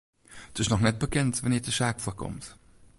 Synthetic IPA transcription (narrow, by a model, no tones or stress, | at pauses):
dɪsnɔχnɛt̚b̥əkʰɪntvɛniːdəʃakfuəkʰɔ̰mt